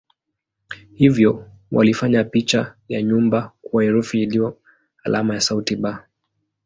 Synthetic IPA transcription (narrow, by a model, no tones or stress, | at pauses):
hivjɔ | wa̰lifaɲapit͡ʃajaɲumbakuwaɛɾufiiliɔ | alʔamajasautiɓa